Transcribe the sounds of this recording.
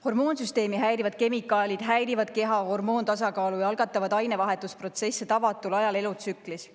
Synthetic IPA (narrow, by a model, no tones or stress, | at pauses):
ho̞rmo̞ːnsyst̪e̞ːmiɦæjɾivɑd̪̥ke̞mikːˑɑːlʲid̪̥ɦæjɾivɑd̪̥̚ke̞ɦɑho̞rmo̞ːnt̪ɑs̬ɑkɑːlujɑɑlɡ̥ɑt̪ːˑɑvɑd̪ɑjnevɑɦe̞t̪ːˑuspro̞t̪se̞sːet̪ɑvɑt̪ːˑulɑjɑle̞lut̪sykːˑlis